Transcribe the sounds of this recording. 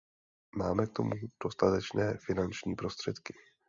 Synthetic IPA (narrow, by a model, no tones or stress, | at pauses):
maːmɛk̚t̪o̞̰mud̥o̞st̪at̪ɛt͡ʃnɛːfɪnant͡ʃɲiːpɾo̞st̪r̥ɛt̪kɪ̥